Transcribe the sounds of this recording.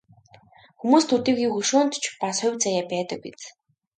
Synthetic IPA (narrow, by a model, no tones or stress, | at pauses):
xumuːst̪ʰut̪iːɣiːxuʃuːnt̪t͡ɕʰpasχʊwʲt͡sajaːpæːt̪ə̆k̚pit͡s